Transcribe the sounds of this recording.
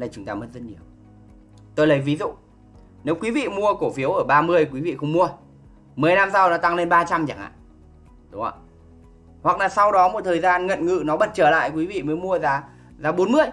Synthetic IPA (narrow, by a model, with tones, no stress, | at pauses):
laː˨˩t͡ɕʊ˨˦ŋ͡mt̪aː˧mə˨˦n̚zə˦˥t̚ɲi˨˩əw | t̪o˧jləː˨˩jvi˨˦zṵ˧˨ | ne˨˦wkwi˨˦vḭ˧˨mu˧əko˧˩fi˨˦əwʔəː˧˩ɓaː˧mɨ˧əjkwi˨˦vḭ˧˨xə˧wŋ͡mmu˧ə | mɨ˨˩əjna˧msa˧wnɔ˨˦t̪a˧ŋle˧nɓaː˧t͡ɕa˧mt͡ɕa˧˩ŋʔa̰ː˧˨ | ɗʊ˨˦ŋ͡ma̰˧˨˩ | hwa˨˩k̚laː˨˩sa˧wɗɔ˨˦mo˨˩t̪ʰəː˨˩jzaː˧nŋə̰˧˨nŋɨ̰˧˨nɔ˨˦ɓə˨˩t̚t͡ɕəː˧˩la̰ː˧˨jkwi˨˦vḭ˧˨məː˨˦jmu˧əzaː˨˦ | zaː˨˦ɓo˨˦nmɨ˧əj